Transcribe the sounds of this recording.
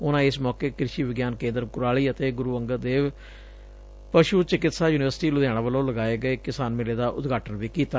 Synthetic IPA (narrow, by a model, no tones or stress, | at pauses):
ʊnãːɪsmɔːkeːkɾɪʃiːʋɪɡjaːnkẽːnd̪əɾkʊɾaːliːət̪eːɡʊɾuːʋəŋɡəɾd̪eːʋ | pəʃuːt͡ʃɪkɪt̪saːjuːnɪʋəɾsʈiːlʊd̪jãːɽ̃ãːʋəlõːləɡaːeːɡəeːkɪsaːnmɪleːd̪aːʔʊ̰t̪ɡʱaːʈənʋiːkiːt̪a